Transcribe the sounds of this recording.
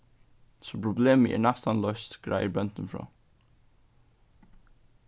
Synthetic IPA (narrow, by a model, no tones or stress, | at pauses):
sɔpʰɾʊbleːməʔæ̰ːɹɳɑst̪ɑnlœst̪ɡ̥ɾæ̰ɪəɾbœnt̪ənfɾɑ̰ː